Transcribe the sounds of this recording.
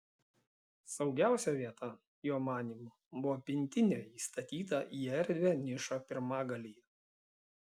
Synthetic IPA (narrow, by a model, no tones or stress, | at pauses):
sɒʊɡʲæˑʊsʲɛʋʲiɛt̪ʰɐ | joːmɑːnʲiːmʊ | bʊʋoːpʲɪnʲt̪ʲɪnʲoːiːst̪ɐt̪ʲiːt̪ɐʔiːɛɾʲd̪ʲʋʲenʲɪʃopʲɪɾmɑːɡɐlʲijɛ